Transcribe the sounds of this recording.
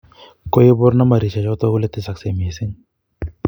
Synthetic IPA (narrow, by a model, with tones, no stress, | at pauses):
ko˦je˦bʊ˦ɾna˦ma˨ɾi˨t͡ʃa˨t͡ʃɔ˦t̪ɔ˦ɡu˦le˦t̪ɪ˦sa˨kse˨mi˨e˨sɪ˦ŋ